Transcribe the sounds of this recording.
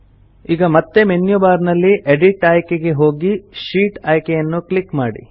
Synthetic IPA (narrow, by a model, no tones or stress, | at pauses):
iːɡɐmɐt̪ːe̞menjubaːɾnɐlːiʔeɖiʈaːjkeɡe̞ɦo̞ːɡiʃiːʈɐːjkejɐnːuklikmaːɽḭ